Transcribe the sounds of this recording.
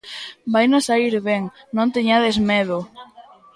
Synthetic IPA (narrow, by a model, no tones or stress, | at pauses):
bajnosaiɾβɛŋ | nõnt̪eɲaðezmeðʊ